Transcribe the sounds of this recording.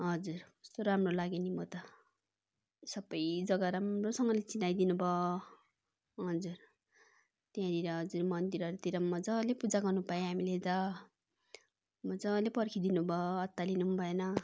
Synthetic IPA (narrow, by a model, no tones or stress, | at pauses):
ɦʌd͡zurʌst̪oɾamrolaɡinimot̪ʌ | sʌbʌjd͡zʌɡaɾamrosʌŋɡʌlet͡sinajd̪inubʱʌ | ɦʌd͡zur | t̪jãd̪iɾʌɦʌd͡zurmʌnd̪iɾʌɾut̪iɾʌmʌd͡zʌlepud͡zaɡʌrnupaẽɦamiled͡zʌ | mʌd͡zʌlepʌrkʰid̪inubʱʌʌt̪ːalinumbʱʌenʌ